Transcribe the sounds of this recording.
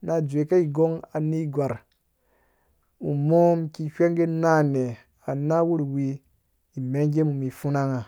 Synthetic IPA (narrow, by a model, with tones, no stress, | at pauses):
na˨d͡ʒʷe˨ka˦i˨ɡo˦ŋa˨ni˦ɡʷa˨ɾ | u˨mo˦mki˧ʃʷe˦ŋɡe˦na˦˨ne˨ | a˨na˦wu˦ɾwi˧ | i˨me˦ŋ˦ɡe˦mu˨mi˨fu˦na˦ŋa˨